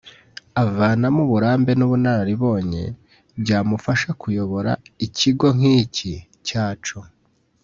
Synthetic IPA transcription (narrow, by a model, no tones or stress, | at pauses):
avaːnamuβuɾaːmbe̞nuβunaɾaɾiβo̞ːɲe̞̰ | bɟaːmufaʃakujo̞βo̞ɾa̰iciɡo̞ŋ̥ici | caːt͡ʃo